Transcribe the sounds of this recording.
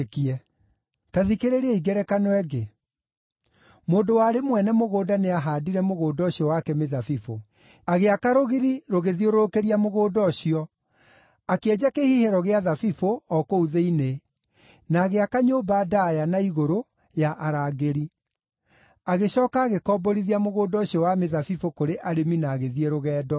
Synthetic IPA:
kiɛ | taðikeɾeɾeɛiɡɛɾɛkanwɛɡe | moːndowaɾemwɛnɛmoɣoːdaneaɦadiɾɛmoɣoːdɔɕiɔwakɛmeðafifo | aɣeakaɾoɣiɾiɾoɣeðioɾokeɾiamoɣoːdɔɕiɔ | akeɛd͡ʑakehihɛɾɔɣeaðafifoɔkouðeine | naːɣeakaɲoːbaːdajanaiɣoɾo | jaʔaɾaːɣeɾi | aɣeɕɔːkaːɣekɔːbɔɾiðiamoɣoːdɔɕiɔwameðafifokoɾeʔaɾeminaːɣeðieɾoɣɛːdɔ

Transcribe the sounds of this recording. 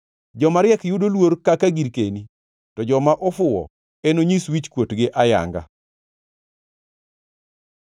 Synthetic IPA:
d͡ʒɔmaɾjɛkjʊdolwoɾkakaɡiɾkeni | tɔd͡ʒɔmaʔɔfʊwɔ̰ | enoɲiswit͡ʃkwotɡɪʔaja̰ŋɡa̰

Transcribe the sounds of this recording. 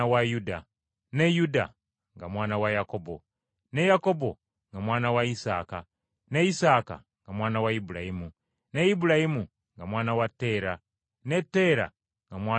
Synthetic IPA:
awajuda̰ | nejuda̰ | ŋɡamwaːnawajakobo̰ | ne̞jako̞bo̞ | ŋɡamwaːnawaisaːka | neisaːka̰ | ŋɡamwaːnawaibulajimu | neibuɾahimu | ŋɡamwaːnawatːe̞ːɾa | ne̞tːe̞ɾa̰ | ŋɡamwaː

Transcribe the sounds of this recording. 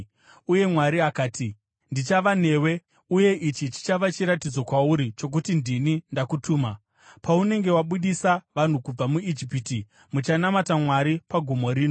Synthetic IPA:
uje̞mwaɾiakaːtʰi | ndit͡ʃaʋane̞ːwe̞ | uje̞ʔit͡ʃit͡ʃi̥t͡ʃaʋat͡ʃiɾatid͡zo̞kwauɾit͡ʃo̞k̬utindinindakutuːma | paune̞ŋɡe̞waɓuɗisaʋan̤ukub͡vamuid͡ʒipiti | mut͡ʃanamatamwaɾipaɡʱumo̞ɾiːno̞

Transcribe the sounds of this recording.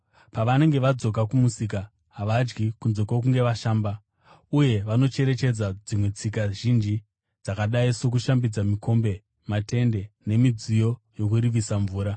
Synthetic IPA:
paʋane̞ŋɡe̞ʋad͡zo̞k̬akumusik̬a | ɦaʋad͡ʒɡikunzo̞kak̬uŋɡe̞ʋaʃaːmba | uje̞ʋano̞t͡ʃe̞ɾe̞t͡ʃe̞d͡zad͡zimwe̞t͡sikaʒind͡ʒi | d͡zakaɗaiso̞k̬uʃambid͡zamikʰo̞mbe̞ | mate̞nde̞ne̞mid͡zijo̞ | jo̞kuriʋisaɱvuːɾa

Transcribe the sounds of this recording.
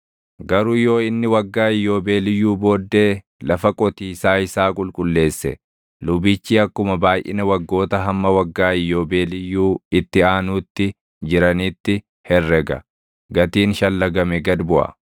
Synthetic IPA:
ɡɐɾʊjo̞ːɪnːɪwɐɡːaːɪjːo̞ːbeːlɪjːuːbo̞ːd̪ːeː | lɐfɐkʼɔt̪iːsaːɪsaːkʼʊlkʼʊlːe̞ːsːɛ̰ | lʊbit͡ʃːiːɐkːʊmɐbaːjʔɪ̰nɐwɐɡːo̞ːt̪ɐɦɐmːɐwɐɡːaːɪjːoːbe̞ːlɪjːuːɪt̪ːɪaːnuːt̪ːɪ | d͡ʒɪɾɐnɪt̪ːɪ | hɛrːɛɡɐ̰ | ɡɐt̪iːnʃɐlːɐɡɐmɛɡɐd̪bʊʔɐ̰

